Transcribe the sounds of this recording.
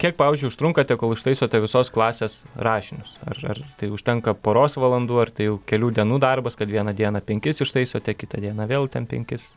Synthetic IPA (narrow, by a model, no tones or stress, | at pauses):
kʲiɛk̚pɑːʋʲɪːzʲd͡ʒʲʊɪʊʃt̪ɾʊŋkɐt̪ʲɛkoːlˠɪʃt̪ɐɪsoːt̪ʲɛʋʲɪsoːsklˠɑːsʲeːsɾɑːʃʲɪnʲʊsɐ̰rɐ̰rt̪ɐɪʊʃʲt̪ʲɛŋkɐpoːɾoːsʋɐlˠɐnd̪uːɐrt̪ɐɪjɛʊkʲɛlʲuːd̪ʲiɛnuːd̪ɐrbɐskɐt̪ʋʲiɛnɐd̪ʲiɛnɐpʲɛŋʲkʲɪsɪʃt̪ɐɪsoːt̪ʲɛkʲɪt̪ɐd̪ʲiɛnɐʋʲeːlˠt̪ʲɛnpʲɛ̰ŋʲkʲɪs